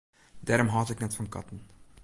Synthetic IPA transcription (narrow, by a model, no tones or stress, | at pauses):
daːɾɔmɦɑːtɪknɛtfɑnkɑ̰tən̩